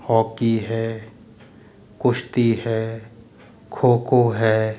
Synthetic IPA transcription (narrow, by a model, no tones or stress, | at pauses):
hɔːkiɦɛː | kʊʃt̪iɦɛː | kʰoːkoɦɛː